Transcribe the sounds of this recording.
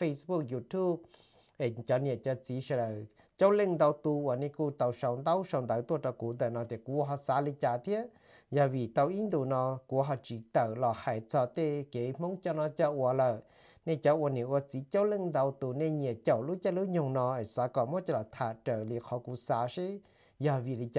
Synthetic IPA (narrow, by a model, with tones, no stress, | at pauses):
fe˧sbu˧k̚ju˧t̪ʰu˥p̚ | ʔe˨t͡ɕɔ˧ni˧˨ə˨t͡ɕə˧t͡si˨˦ʃə˧lə˨ | t͡ɕə˦wlə˧˨ŋd̪a˧wt̪u˧ʔwə˨ne˧˦ku˧t̪a˧˩wʃə˧wd̪a˦wʃə˨˧wŋd̪ə˨˧˨wt̪u˧˨tɔ˧ku˨˦d̪ə˨nɔ˧˨t̪i˧˨ku˧ɦɔ˧saː˧li˧t͡ɕaː˧˨t̪ʰi˦˥əʔ | ja˨˧˨vi˨˩t̪a˧wʔi˦˥˦nd̪u˧˨nɔ˧ku˧˦ɦɔ˧˩t͡ʃi˧˨t̪ə˧˨wlɔ˧˩ha˧˩jt͡sɔ˧t̪e˧ke˨˦m̥o˧˦ŋt͡ɕɔ˧nɔ˧t͡ɕə˧ʔu˧˨ə˨lə˧˨ | ne˧t͡ɕə˧ʔu˧ə˨ni˨ʔu˧t͡si˨˦cə˦wlə˧˨ŋd̪a˧wt̪u˧ne˧ɲi˧˨˩ə˨cə˧˩˨wlu˦t͡ɕa˧lu˦ɲʊ˧˩ŋnɔ˧ə˨sa˧kɔ˧˨mː˦˥˦t͡ɕa˧la˨t̪ʰa˧˨ʈ͡ʂəː˧˩˨li˧ə˨kʰɔ˧˦ku˧saː˧ʃi˦ | ja˧vi˨li˧t͡ɕː